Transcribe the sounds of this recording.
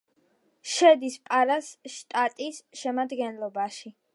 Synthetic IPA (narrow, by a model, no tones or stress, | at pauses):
ʃɛd̪ispʼaɾasʃt̪ʼat̪ʼisʃɛmad̪ɡɛnlˠɔbaʃi